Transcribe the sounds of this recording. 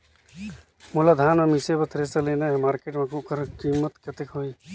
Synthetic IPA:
mulad̪ʱaːnmemisebət̪ɾesəleneɦemaːɾkeːʈmẽkukəɾkimːət̪kət̪ekɦoj

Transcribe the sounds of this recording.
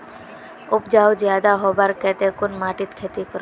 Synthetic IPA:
ʊpd͡ʒaːwd͡ʒjaːd̪aɦoːbaɾkɛːt̪ekʊnmaːʈit̪kʰeːt̪ikəɾo

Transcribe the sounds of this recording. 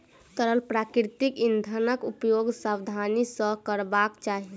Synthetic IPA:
t̪əɾəlpɾakɾit̪ikind̪ʱənəkupjoɡsabd̪ʱanisə̃kəɾbakt͡ʃaɦi

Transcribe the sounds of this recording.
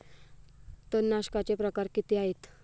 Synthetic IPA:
t̪onːaɕkat͡ɕepɾəkaɾkit̪iːaɦet̪

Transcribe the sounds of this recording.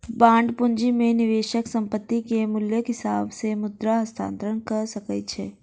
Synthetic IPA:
bãːɳɖpʊnd͡ʒimẽnɪʋeːʃəksɐ̃mpət̪ːikemʊljəkɦɪsaːbsemʊd̪ɾaɦɐst̪ʰa̰ːnt̪ɾəɽ̃kɐɾsɐkət͡ʃʰeː

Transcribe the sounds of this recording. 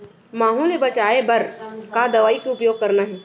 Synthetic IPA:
maːɦulebɐt͡ʃaːebɐɾkad̪ɐʋaːikeʊpjoːɡ̚kɐɾnaɦɛː

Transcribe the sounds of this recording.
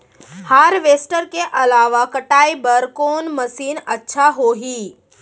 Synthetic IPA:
haːɾʋeːsʈəɾkeʔɐlaːʋakəʈaːibəɾkɔːnməsiːnətːʃʰaɦoːɦiː

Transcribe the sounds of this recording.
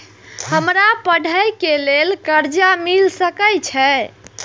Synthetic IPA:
həmɾapəɽ̤ʱəjkelelkəɾd͡ʒamilsəkəjt͡ʃʰɛ

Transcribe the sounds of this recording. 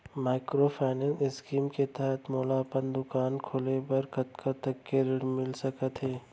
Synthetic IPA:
maːɪkɾopʰaːnənɪskiːmket̪ɛɦət̪moːlaːpənd̪ʊkaːnkʰoːlebɐɾkɐt̪kʰat̪ɐkːeɾɽmɪlsɐkət̪ɦɛː

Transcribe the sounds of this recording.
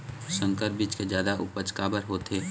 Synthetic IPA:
sə̃ŋkəɾ̚bit͡ʃked͡ʒjaːd̪aʔʊ̰pət͡ʃkaːbəɾɦoːt̪ʰeː

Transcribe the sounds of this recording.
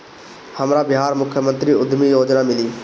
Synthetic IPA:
həmɾaːbɪɦaːɾmʊkʰjəmə̃nt̪ɾiʊd̪ʱmijoːd͡ʒnaːmɪliː

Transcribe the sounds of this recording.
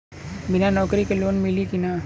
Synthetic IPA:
bɪnanɔːkɾikeloːnmɪlikinaː

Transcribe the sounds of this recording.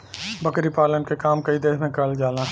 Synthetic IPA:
bɐkɾipaːlənkekaːmkɐid̪eːɦmẽkɐld͡ʒaːlã

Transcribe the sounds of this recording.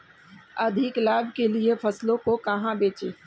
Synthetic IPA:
ɐd̪ʱiklaːbʱkeliefʰɐslõkokɐɦãbeːt͡ʃeː

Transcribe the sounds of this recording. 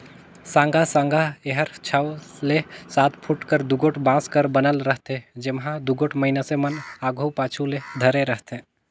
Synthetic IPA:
sãːŋɡʱasãːŋɡʱaeɦəɾt͡ʃʰəwlesaːt̪ʰpʰʊʈkəɾd̪uɡoːʈbãːskəɾbənəlɾəɦt̪ed͡ʒɪmɦãd̪uɡoːʈməinasemənaːɡʱopaːt͡ʃʰuled̪ʱəɾeɾəɦt̪ẽː

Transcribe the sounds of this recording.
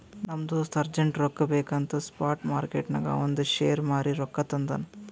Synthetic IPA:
nɐmd̪usɐɾd͡ʒɐɳʈɾɔkːɐbeːkɐnt̪ɐspaːɾʈmaːɾkeʈnɐ̰ɡɐ̰ond̪uʃeːjɐɾmaːɾiɾɔkːɐt̪ɐnd̪ɐnɐ

